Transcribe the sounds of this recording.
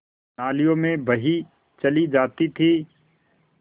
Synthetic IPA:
naːlijõmẽbɐɦi | t͡ʃɐlid͡ʒaːt̪it̪ʰiː

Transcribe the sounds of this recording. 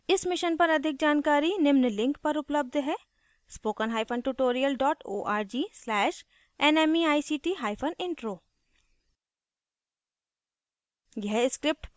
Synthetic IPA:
ɪsmɪʃənpɐɾɐd̪ʱɪk̚d͡ʒaːnkaːɾinɪmnlɪ̃ŋkpɐɾʊpləb̚d̪ʱɦɛː | spoːkənɦaːɪpʰənʈuːʈoːɾijəlɖɔːʈo̰ːʔaːɾd͡ʒiːslɛːʃ | ɛnɛːmiaːisiːʈiːɦaːɪpʰənɪ̃ɳʈɾoː | ɡɛɦskɾɪp̚ʈ

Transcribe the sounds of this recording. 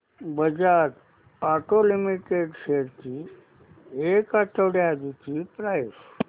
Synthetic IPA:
bəd͡ʑaɾ | aʈolimiʈeɖseɾt̪i | ekat̪əʋɽjad͡ʒitipɾajs

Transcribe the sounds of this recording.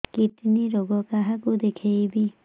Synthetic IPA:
kiʈniɾoɡɔkaɦakud̪ekʰejbi

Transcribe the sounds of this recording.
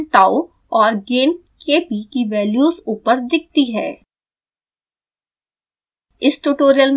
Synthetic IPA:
ʈaːu | ɔːɾɡeːn | keːpikiʋɛːljuːzuːpəɾd̪ɪk̚ʰt̪iɦɛː | ɪsʈuːʈoːɾijəlm

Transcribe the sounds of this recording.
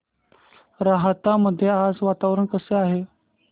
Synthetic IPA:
ɾaɦt̪aməd̪ʱːjead͡zʋat̪aʋɾəɳkəseaɦe

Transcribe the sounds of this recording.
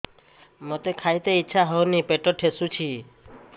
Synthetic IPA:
mot̪ekʰajt̪eitːʃʰaɦɔwnipeʈɔʈʰesut͡ʃʰi

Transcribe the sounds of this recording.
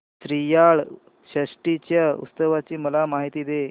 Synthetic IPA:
sɾijaɭ | ɕəɕʈit͡ɕjaṵt̪st̪əʋat͡ɕiːməlamaɦit̪iːd̪e

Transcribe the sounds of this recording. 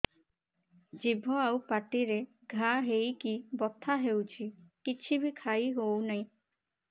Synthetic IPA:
d͡ʒibʱɔawpaʈiɾe | ɡʱaɦejkibɔt̪ʰaɦewt͡ʃʰikit͡ʃʰibikʰajɦownaĩ

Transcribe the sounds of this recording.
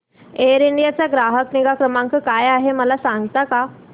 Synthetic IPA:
eəɾiɳɖijat͡ɕaɡɾaɦəkniɡakɾəmãŋkəkajaɦeməlasãŋɡt̪aka

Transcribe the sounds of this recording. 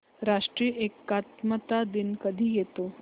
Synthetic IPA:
ɾaʂʈɾiːʔekːat̪mət̪ad̪inkəd̪ʱiːjet̪o

